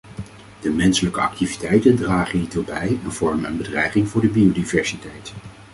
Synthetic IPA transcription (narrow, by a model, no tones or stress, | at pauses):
d̥əmɛnsələkəɑ̰k̚tivitɛjtəndraːχənitobɛjɛnv̥ɔɹmənə̰nbədrɛjχɪŋvʊːɹdəbiodivɛɹsitɛjt